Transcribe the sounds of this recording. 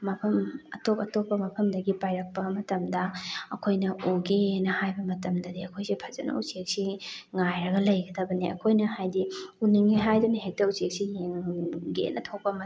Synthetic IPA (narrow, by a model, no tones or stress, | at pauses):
mɐpʰɐmɐtokɐtopːɐmɐpʰɐmdɐɡipajɾɐk̚pɐmɐtɐmdɐːkʰojnɐʔoɡenɐhajbɐmɐtɐmdɐdiɐkʰojsepʰɐzɐ̰nɐ̰ut͡ʃek̚siŋajɾɐɡɐlɐjɡɐdɐbɐniɐ̰kʰojnɐhajdiuniŋiɦajduniɦek̚tɐut͡ʃek̚sijeŋɡḛnːʔɐtʰok̚pɐmɐ